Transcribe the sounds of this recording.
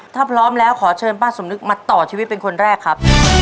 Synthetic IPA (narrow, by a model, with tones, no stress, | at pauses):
t̪ʰaː˥˩pʰɾɔː˦˥mlɛː˦˥wkʰɔː˩˦t͡ɕʰɤː˧npaː˥˩so˩˦mnɯ˦˥k̚maː˧t̪ɔː˨˩t͡ɕʰiː˧wi˦˥t̪̚pe˧nkʰo˧nɾɛː˥˩kʰɾa˦˥p̚